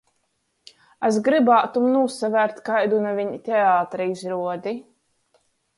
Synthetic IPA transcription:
azɡɾibaːt̪umnuːsavæɾt̪ʲkajd̪unavʲiɲit̪ʲɛaːt̪ɾiizɾuɔd̪i

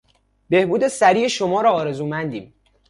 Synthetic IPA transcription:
be̞hbuːd̪e̞sæɾiːeʃomɒːɾɒːɾe̞zuːmænd̪iːm

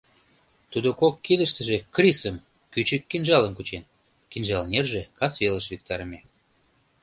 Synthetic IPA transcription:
t̪ud̪okokːid̪əʃt̪ə̆ʒekrisəm | kyt͡ɕəkːinʒɑləmkut͡ɕen | kinʒɑlnerʒekɑsveləʃvik̚t̪ɑɾəme

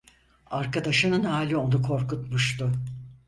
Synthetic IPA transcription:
aɾkad̪aʃɯnɯnhaːlʲio̞nukʰo̞ɾkut̪muʃt̪ʊ

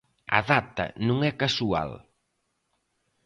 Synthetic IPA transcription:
ɐ̰ðat̪ɐ̰nũŋɛkasua̰l

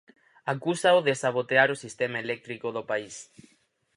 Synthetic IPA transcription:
akusaoðesaβot̪eaɾosist̪emaelɛk̚t̪ɾikoðopais

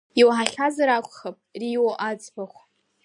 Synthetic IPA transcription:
iwaħaɬʲazaɾakʷʼχapʼriwoʔad͡zʼbaχʷ

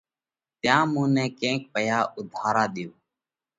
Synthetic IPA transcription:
t̪jãːmũːnɛ̃ːkẽːk̚pəjaːʔʊd̪ʱaːɾãːɗ̪ɪjoː

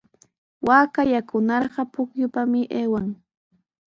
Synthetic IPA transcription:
waːkajakʊnɑɾɢɑpʊkjʊpamɪʔeːwaŋ

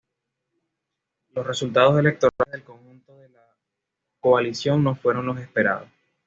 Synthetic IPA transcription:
lo̞sre̞sult̪að̞o̞s̬e̞le̞k̚t̪o̞ɾaeðe̞lko̞ŋxunt̪o̞ðe̞la | koalisjo̞ŋno̞fwe̞ɾo̞nlo̞se̞spe̞ɾa̰ðos

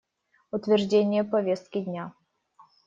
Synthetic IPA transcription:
ʊt̪vʲɪrʐdʲenʲɪjəpɐvʲest̪̚kʲɪdʲnʲa

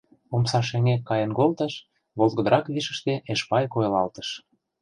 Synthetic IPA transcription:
omsɑʃ̬eŋekːɑjə̆nɡolt̪ə̆ʃ | βolɣə̆d̪əɾɑkβiʃə̆ʃt̪eʔeʃpɑjkojelɑlt̪ə̥̆ʃ

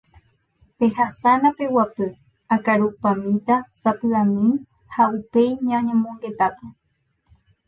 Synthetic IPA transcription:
pe̞hasanãpe̞wapɨ | akaɾupamĩt̪asapɨamĩ | haupejɲãɲẽmõŋɡe̞t̪ape

